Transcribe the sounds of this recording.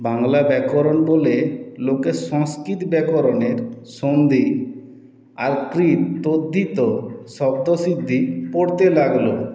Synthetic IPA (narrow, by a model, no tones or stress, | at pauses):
baŋlabɛkɔɾonbolelokeʃɔ̃ŋskɾit̪bɛkoɾoneɾʃond̪i | aɾkɾit̪ːod̪ʱːit̪oʃɔbd̪osid̪ʱːipoɽt̪elaɡlo